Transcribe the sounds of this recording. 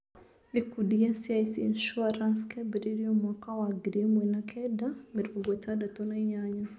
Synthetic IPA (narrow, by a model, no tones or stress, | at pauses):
likudiasiasinʃuaɾanskɛbɛɾiɾiɔmwakawaɡɾimwɛnakʰɛdamiɾbuɡɔtadatɔnaiɲaɲa